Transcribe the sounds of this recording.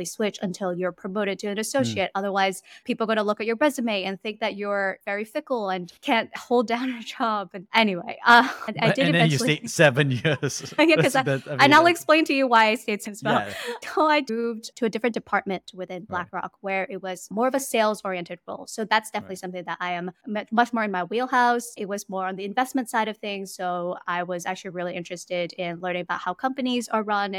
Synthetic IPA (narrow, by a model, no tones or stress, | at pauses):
liswɪt͡ʃɨ̰̃ntʰɪlˠjə˞pʰɹ̥ɨmoʊɾɨd̚tʰɨɨ̃nɨsoʊʃieɪɾʌðə˞waɪz̥pʰipl̩ˠɡoʊɾəlʊkɨt͡ʃə˞ɹɛzɨmeɪɨ̃nθɪ̃ŋk̚ðɨt͡ʃə˞vɛɹifɪkl̩ˠə̃nkʰæ̃n̚hoʊlˠdãʊ̃nə˞d͡ʒɑbɨ̃nʔɛniwḛɪʔʌna̰ɪdɨɾɨɛ̃ɨseɪtsɛvɨ̃njɪɹz̥jækʌznaɪlˠɨksplẽɪ̃ntʰɨjɨwaɪɨɪsteɪtsɨ̃nswɛlˠʰoʊaɪduvdtʰɨɨdɪfɹɨ̃nd̥ɨpʰɑɹt̚mɨ̃ntwɨθɪ̃nblækɹɑ̰kwə˞ʔɪt̚wʌz̥mɔɹʌvɨseɪlˠzɔɹiɨ̃ntɨd̚ɹo̰ʊlˠsoʊðætsd̥ɛfənəɨtˡlisʌ̃mθɪ̃ŋðəɾʔaɪɨ̃mmɛmʌt͡ʃmɔɹɨ̃nmaɪwilˠhaʊsɨt̚wʌzmɔɹɨ̃nðiɨ̃ɱvɛsmɨ̃ntsaɪɾʌv̥θɪ̃ŋz̥soʊaɪwʌzæ̰k̚t͡ʃʉl̩ˠiɹɪlˠiʔɪ̃nt͡ʃɹ̥ɨstɪɾɪ̃nlɜ̃˞ñɪ̃ŋəbaʊt̚haʊkʰʌ̃mpɨnizə˞ɹʌ̃ñ